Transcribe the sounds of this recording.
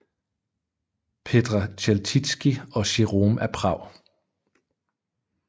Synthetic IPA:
pʰed̥ʁɑɕʰelt͡sʰid̥sɡ̥iɒ̽ɕiʁoːmæɐpʰʁɑ̈ʊ̰

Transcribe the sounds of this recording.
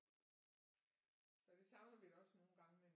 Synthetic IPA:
sɒ̽d̥e̝sɑ̈ʊnɐʋiɾɒ̽sno̝ːn̩ɡ̥ɑ̈ŋəmen

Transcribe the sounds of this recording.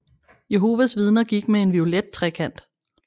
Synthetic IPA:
je̝ɦo̝ːʋæsʋið̞ˠnɐɡ̥iɡ̥mee̝nʋio̝led̥̚t͡sʰʁɛkʰæn̰d̥

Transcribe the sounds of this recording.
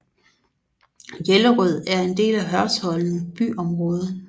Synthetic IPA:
jeləʁœð̞̰ˠæɐe̝nd̥e̝̰ːlæɦɶɐshɒ̽ln̩əb̥y̰ːɒ̽mʁɔ̽ːð̞ˠə

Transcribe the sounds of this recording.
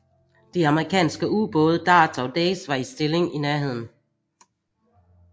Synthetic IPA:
d̥eɑ̈məʁikʰɛ̰ːnsɡ̥əuːb̥ɔ̽ːð̞̩ˠəd̥ɑ̰̈ːt͡sʰɒ̽d̥ɛ̰ːsʋɑ̈isd̥e̝le̝ŋinæɐɦe̝ð̞̰ˠn̩

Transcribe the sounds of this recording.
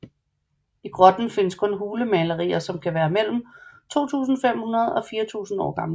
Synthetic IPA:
iɡ̥ʁɒd̥n̩fe̝nəskʰɔ̽nɦuːləmɛləʁḭːɐsɒ̽mkʰæʋæːɐmel̰m̩t͡sʰo̝̰ːt͡sʰṵːsn̩fem̰hunɐð̞̩ˠɒ̽fiːɐt͡sʰṵːsn̩ɒ̰ːɡ̥ɑ̈mlə

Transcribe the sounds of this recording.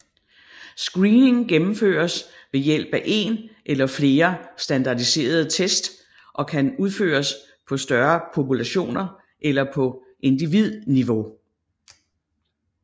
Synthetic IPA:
sɡ̥ʁiːne̝ŋɡ̥emm̩fø̰ːɐs | ʋe̝jel̰b̥æʔe̝̰nʔelɐfle̝ːɐsd̥ænd̥ɑ̈d̥ise̝̰ːɐð̞̩ˠt͡sʰesd̥ | ʔɒ̽kʰænuð̞ˠfø̰ːɐs | pʰɒ̽sd̥ɶɐpʰo̝pulæɕo̝̰ːnɐ | ʔelɐpʰɒ̽ | ʔe̝nd̥iʋið̞̰ˠniʋo̝

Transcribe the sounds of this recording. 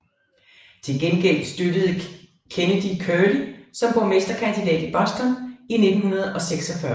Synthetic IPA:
t͡sʰe̝lɡ̥enɡ̥el̰d̥sd̥ød̥əð̩ˠ | kʰenəd̥ikʰølisɒ̽mb̥ɒmesd̥ɐkʰænd̥id̥ɛ̰ːd̥ib̥ɒsd̥ɒnine̝d̥n̩hunɐð̞̩ˠɒ̽seɡ̥sɒ̽fɶɐ

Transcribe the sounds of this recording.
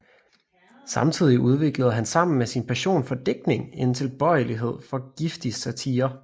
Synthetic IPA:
sɑ̈mt͡sʰið̞̰ˠiʔuð̞ˠʋe̝ɡ̥ləð̞̩ˠɦænsɑ̈m̰n̩mesinpʰæɕo̝̰ːnfɒ̽d̥eɡ̥̚ne̝ŋe̝nt͡sʰe̝lb̥ɒ̽ɪ̰əliɦe̝ð̞̰ˠfɒ̽ɡ̥ifd̥isæt͡sʰiːɐ

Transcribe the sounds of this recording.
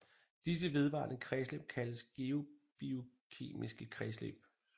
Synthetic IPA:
d̥is̬əʋe̝ð̞ˠʋɑ̰̈ːnəkʰʁɛsleb̥̚kʰæləsɡ̥e̝o̝b̥io̝ | kʰe̝̰ːmisɡ̥əkʰʁɛslḛb̥

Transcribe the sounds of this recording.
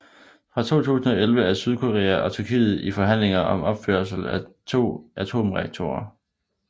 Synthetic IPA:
fʁɑ̈t͡sʰo̝̰ːt͡sʰṵːsn̩ɒ̽elʋəæɐsyð̞ˠkʰo̝ʁḛːæʔɒ̽t͡sʰyɐkʰḭːð̩ˠifɒ̽ɦæn̰le̝ŋɐɒ̽mɒ̽b̥fø̰ɐsl̩æt͡sʰo̝̰ːʔæt͡sʰo̝̰ːmʁeɡ̥̚t͡sʰo̝̰ɐ

